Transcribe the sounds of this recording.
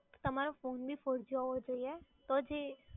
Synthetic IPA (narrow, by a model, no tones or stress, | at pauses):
t̪ɐmaːɾafoːnbʱifoɾd͡ʒaɦod͡ʒaiɛt̪ɔd͡ʒeː